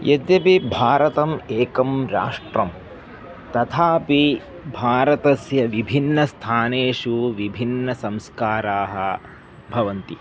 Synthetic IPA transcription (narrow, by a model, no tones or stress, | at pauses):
jʔɐd̪jɐpibʱaːɾɐt̪ɐmeːkɐmɾa̰ːʂʈɾɐm | t̪ɐt̪ʰaːpi | bʱaːɾɐt̪ɐsjɐʋibʱinːɐst̪ʰaːneːʂuʋibʱinːɐsɐ̃mskaːɾaːɦɐ̆ | bʱɐʋɐnt̪i